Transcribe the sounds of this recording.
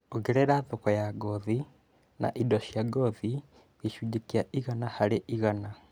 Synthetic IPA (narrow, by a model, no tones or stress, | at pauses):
oɣeɾɛɾaðokɔjaɡɔði | na̰ʔidɔɕjaɡɔði | eʃud͡ʒekiaiɣanahaɾeʔiɣana